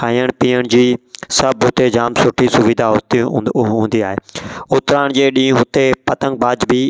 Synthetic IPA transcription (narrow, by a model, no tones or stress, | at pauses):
aːijəɽpiːəɳ̃d͡ʒiːsəbɦʊt̪eːd͡ʒaːmsʊʈʰiːsʊʋiːd̪ʱaːɦʊt̪iɦũːnd̪iːaːɦeːʊt̪ɾaːɳ̃d͡ʒeːɗĩːɦʊt̪eːpət̪əŋɡ̚baːd͡ʒbʱiː